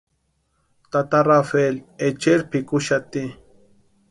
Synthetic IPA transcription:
t̪at̪aɾafelet͡ʃeɾpikʊʃat̪i

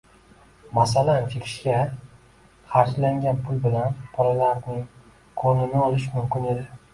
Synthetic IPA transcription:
mas̬alant͡ʃʰekʲʰɪ̥ʃkʲa | χaɾd͡ʒlaŋɡʲanpʰʊlbɪlanbʰɒɾalaɾnɪŋ | qʰonɪnɪɒlɪʃmʊmkʲɪne̞d̪ɪ

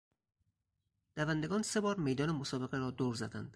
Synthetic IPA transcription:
d̪̥ævænd̪e̞ɡɒːnse̞bɒːɾme̞jd̪ɒːnemosɒːbe̞ɣeɾɒːd̪oːɾzæd̪ænd̪̥

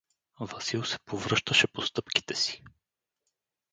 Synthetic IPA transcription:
vɐsilˠsɛ̥povɾɤʃt̪əʃɛpost̪ɤpki̥t̪ɛsi̥

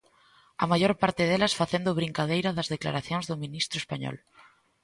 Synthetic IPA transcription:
ɐmajoɾpaɾt̪ɪðelɐsfaθend̪ʊβɾiŋkaðejɾɐðɐzðekla̰ɾaθjõŋzðʊmĩnist̪ɾʊespaɲɔ̰l

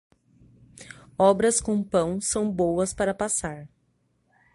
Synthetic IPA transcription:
ɔbɾɐskõpɐ̃w̃sɐ̃w̃bowɐspaɾɐpasaɾ

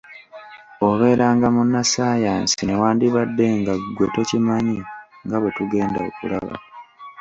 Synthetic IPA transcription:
oβe̞ːɾaːŋɡamunːasaːjaːnsinewaːndiβadːe̞ŋɡaɡwetocimaɲiŋɡawe̞tuɡe̞ːndaokulaβa̰

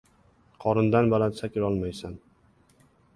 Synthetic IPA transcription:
qʰɒɾɪnd̪anbalansakʲɪɾɒlˠmajsan

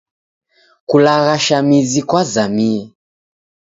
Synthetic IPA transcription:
kulaɣaʃamizikwazamiɛ

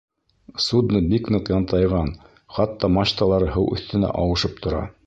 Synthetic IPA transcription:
sud̪nɤbiknɤqjɑnt̪ɑjʁɑn | χɑt̪ːɑmɑɕt̪ɑlˠɑɾɤɦɤwʔɵ̰̆θt̪ɘ̆næ̰ʔɑwɤ̆ʃɤp̚t̪ʰŏɾɑ̰

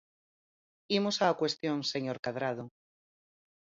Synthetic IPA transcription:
imosakwe̞st̪jonseɲoɾkaðɾað̞o

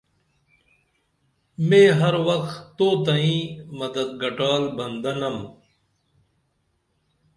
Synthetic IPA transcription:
mẽːɦɐɾwɐkt̪oːt̪ɐĩːmɐd̪ɐd̪̚ɡɐʈaːlbɐnd̪ɐnɐm

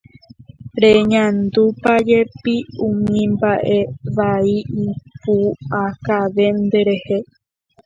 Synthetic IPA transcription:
ɾe̞ɲãnd̪upad͡ʒe̞piũmĩmbaʔe̞ʋaiipuakaʋe̞nd̪e̞ɾe̞he̞

